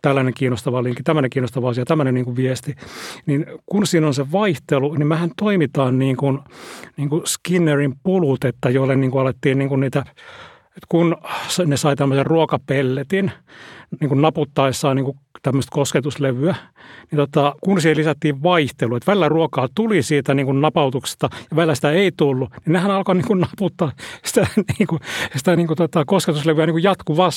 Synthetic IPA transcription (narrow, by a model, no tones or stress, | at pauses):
t̪ælːæneŋkiːnost̪ɑʋɑliŋkːˑit̪æmːøneŋkiːnost̪ɑʋɑɑsiɑt̪æmːønenniːŋkuʋiɛst̪ininkunsiːnonseʋɑiht̪elunimæhænt̪oimit̪ɑːnniːŋkunniːŋkuskinːerimpulut̪et̪ːæjoilːenniːŋkuɑlet̪ːiːnniːŋkunniːt̪æ | et̪kunsnesɑit̪æmːøserruokɑpelːet̪inniːŋkunnɑput̪ːɑisɑːniŋkut̪æmːøst̪kosket̪usleʋyænit̪ot̪ɑkunsihelisæt̪ːiːʋʋɑiht̪eluet̪ʋælilːæruokɑːt̪ulisiːt̪æniːŋkunnɑpɑut̪ukse̥st̪ɑjɑʋælːæsi̥t̪æeit̪ulːuninehænɑlkoniːŋkunnɑput̪ːɑːsi̥t̪æniːŋkusi̥t̪æniːŋkut̪ot̪ɑkosket̪usleʋyæniːŋkujɑt̪kuʋɑs